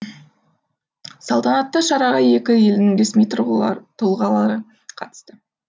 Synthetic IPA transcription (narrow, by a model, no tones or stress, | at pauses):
sɑlˠt̪ɑnɑt̪ːɑʃɑɾɑʁɑje̞kʲɪje̞lɪnɪŋd̪e̞smijt̪ʰt̪ʰʊlˠʁɑlˠɑɾə | qʰɑt̪ə̥st̪ə